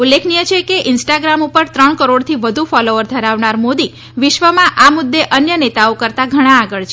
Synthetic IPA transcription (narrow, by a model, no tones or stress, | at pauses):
ulːekʰnijət͡ʃʰekeʔɪnsʈaɡɾamupəɾt̪ɾəɳkəɾoɽt̪ʰiʋəd̪ʱufɔloʋəɾd̪ʱəɾaʋnaɾmod̪i | ʋɪʃʋəmãʔamʊd̪ːeʔənjənet̪aokəɾt̪aɡʱəɽ̃ãːɡəɭt͡ʃʰe